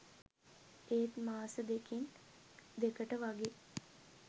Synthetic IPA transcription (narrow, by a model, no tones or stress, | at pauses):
eːt̪maːsəd̪ekin | d̪ekəʈəʋaɡe